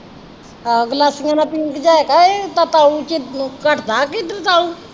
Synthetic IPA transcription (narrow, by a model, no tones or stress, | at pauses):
ɡəlaːsɪŋãːnãːpiŋkd͡ʒaːekaːet̪aːt̪aːut͡ʃɪt̪nũːkəʈʰd̪aːkit̪ɾt̪aːuː